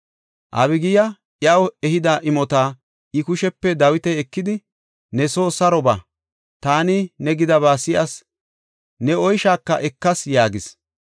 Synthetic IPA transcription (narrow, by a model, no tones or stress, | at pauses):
ʔɐ̰βɪɡɪjɐ | ʔjɐwɛhɪd̪aʔɪmɔt̪aː | ɪkʊʃɛpːɛd̪ɐwɪt̪ɛɛkːɪd̪ɪ | nɛso̞ːsɐɾɔba | t̪aːnɪnɛɡɪd̪ɐβaːsɪʔɐs | nɛɔjʃaːkːɐ̰ʔɛkːɐsjaːɡɪs